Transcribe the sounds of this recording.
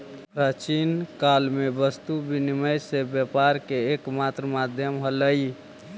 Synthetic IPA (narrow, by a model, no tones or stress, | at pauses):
pɾat͡ʃinkalmebəst̪ubiniməjsebjapaɾkeːkmat̪ɾəmad̪ʱjəmɦələi